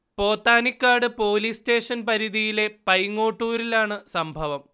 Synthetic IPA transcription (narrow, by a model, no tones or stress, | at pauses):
po̞ːt̪ːaːnikːaːɽɨpo̞ːliːste̞ːʂɐnpɐɾiðijile̞pɐjŋːo̞ːʈːuːɾilaːɳɨsɐmbʱɐʋɐm